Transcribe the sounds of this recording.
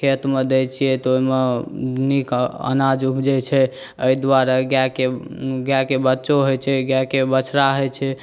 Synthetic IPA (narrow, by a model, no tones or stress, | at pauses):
kʰet̪med̪et͡ʃʰijɛt̪oimenikə̰nad͡ʒubd͡ʒɛt͡ʃʰɛ | əid̪waɾaɡakeɡjakebətːʃoɦojt͡ʃʰɛɡjakebət͡ʃʰɾaɦojt͡ʃʰɛ